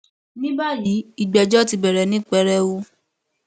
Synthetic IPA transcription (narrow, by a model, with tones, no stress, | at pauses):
nĩ˦ba˦˨ji˨˦i˦˨ɡ͡bɛ˧d͡ʒɔ˦ti˧bɛ˨ɾɛ˨nĩ˦k͡pɛ˧ɾɛ˧wo˧